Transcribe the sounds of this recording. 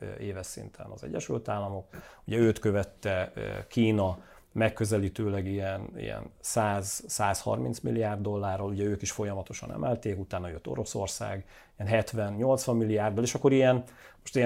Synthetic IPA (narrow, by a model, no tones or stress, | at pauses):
eːvɛsḭnt̪ʰɛ̰nɒ̰zɛ̰ɟːɛʃylt̪aːlːɒmo̞kuɟɛøːt̪køvɛt̪ːɛkiːnɒ | mɛkːøzɛliːt̪øːlɛɡijɛnḭjɛ̰nsaːzsaːshɒ̰rminsmḭlːiaːrd̪ːo̞lːaːrːoluɟɛøːkiʃfo̞jɒmɒt̪o̞ʃɒ̰nɛ̰mɛlt̪eːkut̪aːnːɒjøt̪ːo̞̰ɾo̞so̰rsa̰ːɡ | ijɛnɦɛt̪ʋɛnɲo̞lt̪sʋɒmːilːiaːrd̪ɒleːʃɒkːo̞ɾijɛnmoʃt̪i